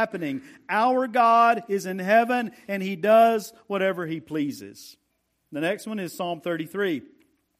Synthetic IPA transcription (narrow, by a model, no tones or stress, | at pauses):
æpɨnɪ̃ŋ | aʊə˞ɡɑɾɪzɨ̃nɦɛvɨ̃nɨ̃nidʌzwʌɾɛvə˞ipʰl̥izɪ̰z̥ | ðɨnɛkst̚wʌ̃nɨz̥sɑ̃mθɜ˞ɾiθɹi